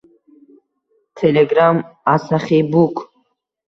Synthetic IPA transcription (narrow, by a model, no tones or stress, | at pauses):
t̪ʰɛlɛɡɾamasaχibukʰ